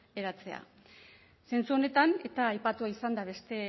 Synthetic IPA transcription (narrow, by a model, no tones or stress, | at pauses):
eɾat͡se̞a̰ | se̞nt͡suo̞ne̞t̪ane̞t̪aːjpat̪uaisand̪aβ̞e̞st̪e̞